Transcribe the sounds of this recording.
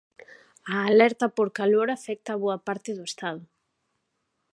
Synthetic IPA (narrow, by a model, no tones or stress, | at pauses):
aːlɛɾt̪ɐpoɾkaloɾafɛk̚t̪aːβoɐpaɾt̪ɪðʊest̪aðʊ